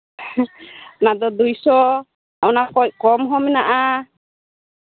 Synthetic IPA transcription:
nad̪ɔd̪ujsɔ | awnakɔc̚kɔmɦɔmɛnaʔa

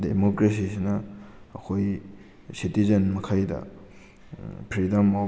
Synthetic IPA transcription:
demokɾesisinɐːkʰoj | sitizɐnmɐkʰajdɐ̰ | pʰɾidɐma

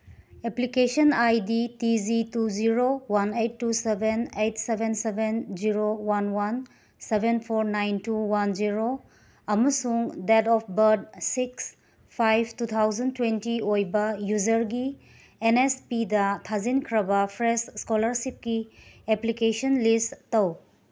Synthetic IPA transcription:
eplikesɔnajditizituziɾowanejtːusebʱenejtsebʱensebenziɾowanwan | sebʱenpʰoɾnajntuwand͡ʒiɾo | ɐmɐsuŋdɛtɔpʰbɐɾd̚siks | pʰajb̚ʰtut̪ʰawzɐntwentiojbɐjuzɐɾɡi | enespidɐtʰazinkʰɾɐbɐpʰɾesskolɐɾsip̚kieplikesɔnlisttɐw

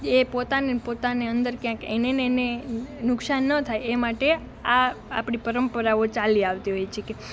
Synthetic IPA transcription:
epot̪anepot̪aneənd̪əɾkjãkḛnenːnenʊksanːət̪ʰajemaʈe | aa̰pɳipəɾəmpəɾaot͡ʃaliaʋt̪iɦojt͡ʃʰeke

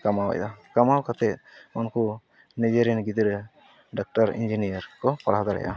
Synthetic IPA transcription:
kamawa̰jd̪akamawkat̪ɛunku | ned͡ʒeɾinɡid̪ɾɛ | ɖak̚ʈaɾḭɲd͡ʒinijaɾkɔpaɽɦd̪aɽɛ̰jʔa̰

